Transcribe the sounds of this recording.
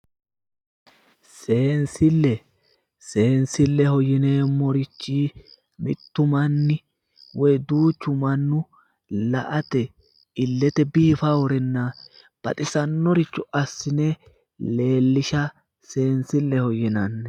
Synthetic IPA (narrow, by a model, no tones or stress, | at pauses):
se̞ːnsɪlːɛ | seːnsɪlːɛhɔjɪneːmɔɾɪt͡ʃːiː | mɪ̰t̪ːʊmɐnːɪ | wɔjd̪uːt͡ʃːʊmɐnːʊ | lɐʔɐt̪ɛ | ɪlːɛt̪ɛbiːfawɔɾɛnːa | b̥ɐ̰t̪ʼɪsɐnːɔɾɪt͡ʃːʊʔɐsːɪne | le̞ːlːɪʃɐ | se̞ːnsɪlːɛhɔjɪnɐnːɛ